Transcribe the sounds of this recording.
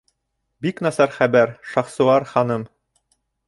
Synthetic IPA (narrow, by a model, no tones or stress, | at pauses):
biknɑsɑɾχæbæɾʃɑχsŭɑɾχɑnɤm